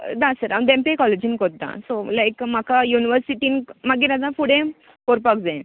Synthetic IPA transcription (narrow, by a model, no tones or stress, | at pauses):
d̪asəɾãd̪ẽmpekɔled͡ʑinkɔd̪ã̰solajkm̤akajuniʋəɾsiʈinmaɡiɾad̪ãfuɽẽ | koɾpakd͡zã